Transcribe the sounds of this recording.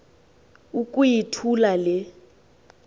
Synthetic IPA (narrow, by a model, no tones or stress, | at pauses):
ukʼujitʰulalɪ